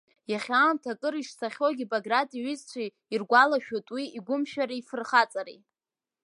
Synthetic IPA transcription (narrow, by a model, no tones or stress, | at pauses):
jaχʲaːmtʰakʼɨɾiʂsaχʲoɡʲibaɡratʼiɥɪzt͡sʷʰa | irɡʷalaʃᶣotʼwiiɡʷʊmʃᶣaɾaifɨrχat͡sʼaɾḭ